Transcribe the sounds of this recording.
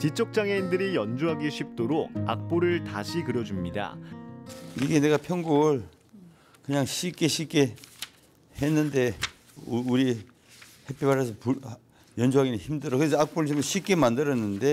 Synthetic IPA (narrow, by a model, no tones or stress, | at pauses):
t͡ɕit͡ɕ͈ʰok̚t͡ɕ͈aŋeindɯɾijʌnd͡ʑuɦaɡiɕʰip̚t͈oɾoɡ̚a̰k̚p͈oɾɯɭtaɕʰikɯɾjʌd͡ʑumɲida̰ | iɡe̞ne̞ɡapʰjʌŋɡuɡɯɭ | kɯɲaŋɕʰik͈eɕʰik͈e | henːɯnde̞ | uɾi | hepʰebaɾas̬ʰʌpu | jʌnd͡ʑuɦaɡinɯnçimdɯɾʌkɯɾes̬ʰʌak̚p͈oɾɯɭɕʰimɕʰik͈emandɯɾʌnːɯnde̞